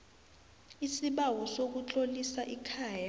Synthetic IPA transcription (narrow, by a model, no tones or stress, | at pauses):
isiɓawɔsok̬ut͡ɬʼolisaʔikʰaːja